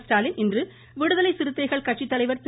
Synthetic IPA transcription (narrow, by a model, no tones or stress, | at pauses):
sʈaːlɪnʔɪndrɯ | ʋɪɽɯðɐlɐɪsɪɾɯt̪ːɐɪɣɐɭkɐʈʂit̪ːɐlɐɪʋɐɾs